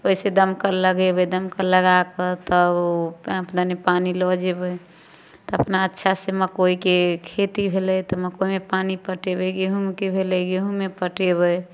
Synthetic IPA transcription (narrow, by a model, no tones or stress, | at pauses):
oised̪əmkəɾləɡebəd̪əmkəɾləɡakət̪ɔ | ãpd̪ənepanilɔd͡ʒebəj | t̪ɔəpnaətːʃʰaseməkoikekʰet̪ibʱelɛjt̪ɔməkoimepanipəʈebəɡeɦũmekebʱeləɡeɦũmepəʈeβəj